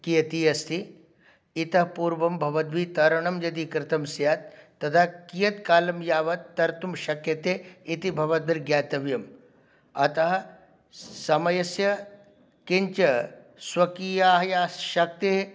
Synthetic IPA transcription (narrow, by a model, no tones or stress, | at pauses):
kijɐt̪iːɐst̪ʰiː | t̪ɐɦpuːɾʋɐmbʱɐʋɐt̪ʋit̪ɐɾɐɳɐmjɐd̪ikɾɪt̪ʰɐmsjaːt̪̚ː | ɐt̪ʰaːkijɐt̪kaːlɐmjaːʋɐt̪ːɐɾt̪umʃɐkjɐt̪eːit̪ibʱɐʋɐd̪̚biɾɡjaːt̪ɐʋjɐm | ɐt̪ɐɦɐ | sɐmɐjɐsjɐ | kint͡ʃɐ | swʋɐkiːjaːɦɐjaːʃɐk̚t̪eɦ